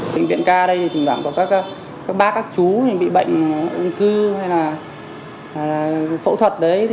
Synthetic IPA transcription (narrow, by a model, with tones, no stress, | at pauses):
ɓə̰˧˨ŋvḭ˧˨ənkaː˧ɗə˧jt̪i˨˩t̪ï˨˩ŋ̟vwaː˧˩ŋkɔ˧˩˦kaː˦˥k̚ː | kaː˦˥k̚ɓaː˦˥kaː˦˥k̚t͡ɕu˨˦ni˨˩ɓḭ˧˨ɓə̰˧˨jŋ̟ʔʊ˧wŋ͡mt̪ʰɨ˧ha˧jlaː˨˩˨ | lːfo̰˧˥t̪ʰwə˨˩t̚ɗə˨˦j